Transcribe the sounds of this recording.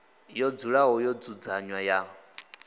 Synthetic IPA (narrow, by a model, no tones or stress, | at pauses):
jɔd͡zuɺaɦɔjɔd͡zud͡zaɲwaja